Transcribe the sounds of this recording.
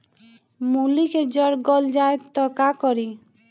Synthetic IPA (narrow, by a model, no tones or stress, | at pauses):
muliked͡ʒɔɾɡɔld͡ʒaet̪ːɔkakɔɾi